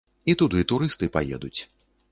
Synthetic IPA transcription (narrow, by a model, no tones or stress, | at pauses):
it̪ud̪uit̪uɾɨst̪ɨpajɛ̰d̪ut͡sʲ